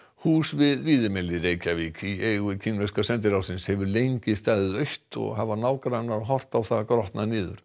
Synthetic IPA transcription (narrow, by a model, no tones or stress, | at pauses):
huːsvɪðviːðɪmɛlːɪreːjcaviːcieːɣʏcʰɪnvɛskasɛnt̪ɪɾawsɪnshɛvʏɾlejɲcɪst̪aːðɪðœɥht̪ɔ̰ɣɦavaɾnaːwkaɾanːaɾɔɦɔr̥t̪awθakɾɔht̪nanɪːðʏ̰ɾ̥